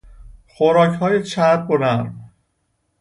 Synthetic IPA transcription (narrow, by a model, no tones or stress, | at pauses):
xoɾɒːchɒːjet͡ʃʰæt̪̚bonæɾm